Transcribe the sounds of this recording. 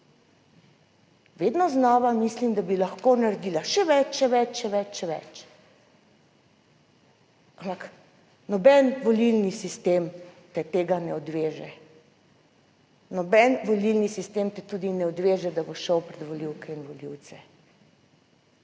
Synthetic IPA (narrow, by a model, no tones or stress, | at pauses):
ʋed̪nɔznɔːʋamislimd̪abilaxkonaɾd̪ilaʃɛʋɛt͡ʃʃɛʋɛt͡ʃʃɛʋɛt͡ʃʃɛʋɛ̰t͡ʃ | ampak | nɔbɛnʋɔlilnisist̪emt̪ɛt̪eːɡanɛɔd̪ʋeːʒɛ | nɔbɛnʋɔlilnisist̪emt̪ɛt̪ud̪inɛɔd̪ʋeːʒɛd̪aboʃɔwpɾɛd̪ʋɔliwkɛinʋɔliwt̪sɛ